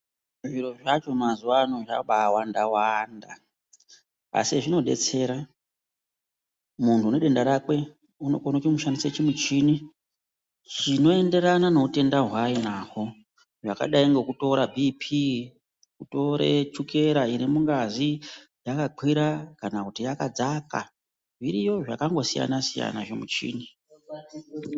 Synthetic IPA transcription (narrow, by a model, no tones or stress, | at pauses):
ʐiɾo̞ʐat͡ʃo̞mazuwanoʐaɓawandawanda | a̰siʐino̞ɗe̞̰t͡se̞ːɾa | muntʰuneɗe̞ndaɾakwe̞ | uno̞̰konatimuʃandiset͡ʃimut͡ʃiːni | t͡ʃino̞e̞nde̞ɾanano̞ute̞ndaɦwainako̞ | ʐaka̰ɗaiŋɡe̞kuto̞ɾabʱipʰi | kuto̞ɾḛt͡ʃuke̞ɾaiɾimuŋɡazi | jakaǃʰwiɾakanakutijakad͡zaka̰ | ʐiɾijo̞ʐakaŋɡo̞sija̰nasija̰na̰ʐemut͡ʃḭːni